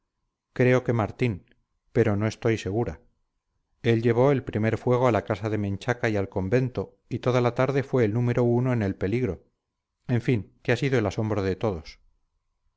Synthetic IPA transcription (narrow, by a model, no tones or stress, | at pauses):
kɾe̞o̞ke̞maɾt̪in | pe̞ɾo̞no̞e̞st̪o̞jse̞ɣ̞uɾa̰ | e̞lʎe̞β̞o̞e̞lpɾime̞ɾfwe̞ɣ̞o̞alakasaðe̞mẽ̞nt͡ʃakajalko̞mbe̞nt̪o̞ | it̪o̞ðalat̪aɾðe̞fwe̞ːlnũme̞ɾo̞uno̞ene̞lpe̞liɣɾo̞ | e̞ɱfiŋkeasiðoe̞laso̞mbɾoðe̞t̪o̞ðo̞s